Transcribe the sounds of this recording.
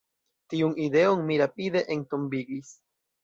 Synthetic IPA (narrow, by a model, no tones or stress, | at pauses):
tiunide̞onmiɾapide̞ʔentombiɡis